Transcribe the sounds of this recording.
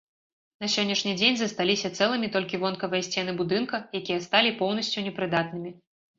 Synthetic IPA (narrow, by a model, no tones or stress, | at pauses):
nɐsʲɔnʲːɐʂnʲid͡zʲenʲzɐst̪alʲisʲɐt̪sɛlˠɨmʲit̪ɔlʲkʲivɔnkɐvɨjɛsʲt͡sʲɛnɨbud̪ɨnkɐjakʲijɐst̪alʲipɔwnɐsʲt͡sʲunʲɛpɾɨd̪at̪̚nɨmʲi